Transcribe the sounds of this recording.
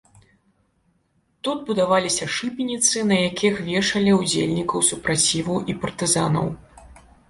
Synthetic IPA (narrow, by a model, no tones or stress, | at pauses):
t̪ud̪̚bud̪avalʲisʲɐʂɨpʲinʲit̪sɨnɐjakʲʰixvʲɛʂɐlʲiud͡zʲelʲnʲikɐwsupɾat͡sʲivɐwʔipɐrt̪ɨzanɐ̰w